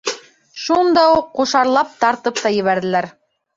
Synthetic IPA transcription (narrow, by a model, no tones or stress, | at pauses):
ʃund̪ɑuqːuʃɑɾlˠɑp̚t̪ɑɾt̪ɤp̚t̪ɑjɘ̆βæɾðɘ̆læɾ